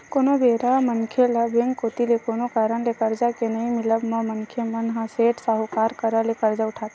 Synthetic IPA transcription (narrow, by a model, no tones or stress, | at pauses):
koːnobʱeɾamənkʰelabẽŋkːot̪ilekoːnokaːɾəɳlekəɾd͡ʒakenəɦĩmɪləbmə̃mənkʰemənɦãseːʈsaɦukaːɾkəɾəlekəɾd͡ʒaʊʈʰaːt̪ː